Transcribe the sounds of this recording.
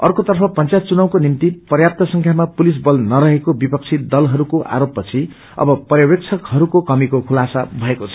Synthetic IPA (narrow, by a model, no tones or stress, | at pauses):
ʌrkot̪ʌrpʰʌpʌnt͡sajt̪̚t͡sunʌw̃konimt̪ipʌrjap̚t̪ʌsʌŋkʰjamapulis̬bʌlnʌɾʌɦekobipʌk̚t͡sʰid̪ʌlɦʌɾukoʔa̰ɾopːʌt͡sʰi | ʌ̰bʌpʌrjʌbek̚t͡sʰʌkhʌɾukokʌmikokʰulasabʱʌekot͡sʰʌ